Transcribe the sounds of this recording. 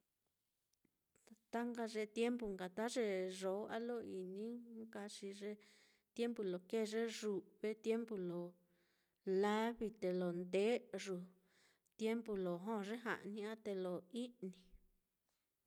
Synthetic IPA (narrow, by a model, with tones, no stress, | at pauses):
a˧t̪a˦ŋɡa˧ʐe˧t̪je˦mpu˧˨ŋɡa˨t̪a˦ʐe˧ʐo˨˦a˦lo˦i˨nĩ˦ka˧ʂi˧ʐe˧ | t̪je˦mpu˧lo˨ke˦˨˧ʐe˦ʐu˨βe˧t̪je˦mpu˧lo˨ | la˦βi˧t̪e˨lo˨nd̪e˨˦ʐu˨ | t̪je˦mbu˧lo˨ɦõ˦˧ʐe˦ɦa̰˨ʔnĩ˧a˦t̪e˧lo˨i˦nĩ˨˧